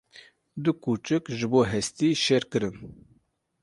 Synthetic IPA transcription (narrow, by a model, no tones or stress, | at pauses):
d̪ʊkuːt͡ʃɨkʒɨboːɦɛst̪iːʃɛɾkɨɾɨn